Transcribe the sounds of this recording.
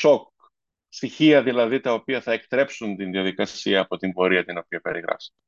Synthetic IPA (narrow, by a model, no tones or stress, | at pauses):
sok̚ | st̪içiɐðilɐðit̪ɐo̞piɐθɐe̞kt̪ɾe̞psunt̪inðiɐðikɐsiɐːpo̞t̪imbo̞ɾiɐt̪ino̞piɐpe̞ɾiɣɾɐ̰fsɐ̥t̪e